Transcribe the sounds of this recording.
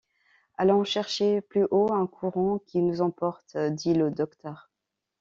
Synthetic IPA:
alɔ̃ʃɛʁʃeplyʔoɛ̃kʰuʁɑ̃kʲinuzɑ̃pɔʁt̪d̪iləd̪ɔkt̪œʁ

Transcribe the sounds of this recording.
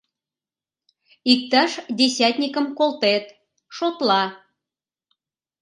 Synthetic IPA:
ik̚t̪ɑʃd̪ʲesʲæt̪ʲnʲikə̆mkolt̪et̪ | ʃot̪lɑ

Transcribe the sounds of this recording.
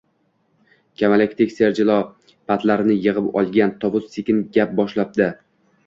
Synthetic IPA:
kʲʰamalakʲt̪ʰɪkʲseɾd͡ʒɪlˠɒ | pʰat̪laɾɪnɪjɨʁɨpɒ̰lˠɡʲant̪ʰɒvʊzːekʲɪnɡʲap̚bɒʃlap̚d̪ɪ

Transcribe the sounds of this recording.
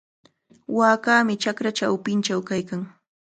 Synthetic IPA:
waːkaːmɪt͡ʃakɾat͡ʃawpɪnt͡ʃawkajkaŋ

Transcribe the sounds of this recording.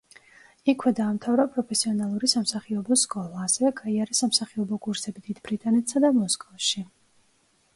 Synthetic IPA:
ikʰwɛd̪aːmt̪ʰavɾapʼɾɔpʰɛsiɔnalˠuɾisamsaχiɔbɔskʼɔlˠaːsɛvɛɡaiaɾɛsamsaχiɔbɔkʼuɾsɛbid̪id̪bɾit̪ʼanɛt̪ʰsad̪amɔskʼɔfʃi

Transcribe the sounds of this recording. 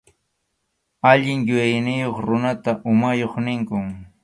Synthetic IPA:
aʎɪŋjʊjajnɪjoχɾʊnat̪aʔʊmajoχnɪŋkʊŋ

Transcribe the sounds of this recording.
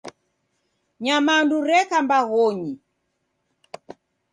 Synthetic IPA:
ɲamanduɾɛkambaɣɔɲi

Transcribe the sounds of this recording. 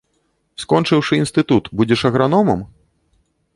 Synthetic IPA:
skɔnt͡ʂɨwʂɨinst̪ɨt̪ut̪bud͡zʲɛʂɐɣɾanɔmɐm

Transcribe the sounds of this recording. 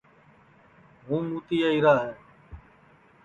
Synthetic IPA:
ɦũːmuːt̪iːaːiːɾaːɦɛː

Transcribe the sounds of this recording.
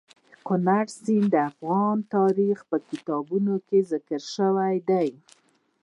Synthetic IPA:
kʊnaɽsind̪əafɣɑnt̪ɑɾixpəkɪt̪ɑbunokezɪkəɾʃəwajd̪aj

